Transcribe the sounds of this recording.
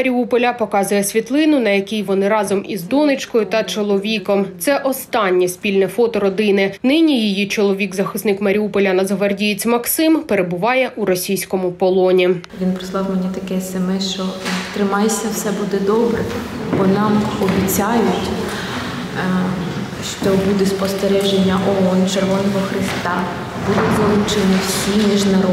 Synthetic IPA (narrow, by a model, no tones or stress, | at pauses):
ɐɾʲiupɔlʲɐpɔkɑzʊjɛsʲʋʲit̪lˠɪnʊnɐjɐkʲijʋɔnɪɾɑzɔmḭzd̪ɔnɪt͡ʃkɔjʊt̪ɐt͡ʃɔlˠɔʋʲikɔmt̪sɛʔɔst̪ɑnʲːisʲpʲilʲnɛfɔt̪ɔɾɔd̪ɪnɪnɪnʲijijit͡ʃɔlˠɔʋʲiɡzɐxɪsnɪkmɐɾʲiupɔlʲɐnɐzɦʋɐrdʲijit͡sʲmɐksɪmpeɾebʊʋɑjɛʔuɾɔsʲijsʲkɔmʊpɔlˠɔnʲi | ʋʲinpɾɪslˠɑwmenʲit̪ɐkɛsɐmɪʃt͡ʃɔt̪ɾɪmɑjsʲɐwsɛbud̪ɛd̪ɔbɾɛ | bɔnɑmɔbʲit͡sʲajʊtʲ | ʃt͡ʃɔbud̪ɛspɔst̪eɾɛʒenʲːɐʔɔɦɔnt͡ʃerʋɔnɔɦɔxɾɪst̪ɑ | bʊd̪ʋɔlˠʊt͡ʃenʲiwsʲimʲiʒnɐɾɔ